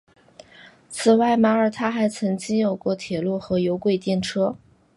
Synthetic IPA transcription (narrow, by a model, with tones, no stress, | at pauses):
t͡sʰɹ̩˨˩wa˥˩ɪma˥ə˞˨˩t̪ʰa˥xa˧˥ɪt͡sʰɤ˧˥ŋt͡ɕi˥ŋjo˨˩ʊkwɔ˥˩t̪ʰjɛ˨˩lu˥˩xɤ˧˥jo˧˥ʊkwe˥˧ɪt̪jɛ˥˩nʈ͡ʂʰɤ˥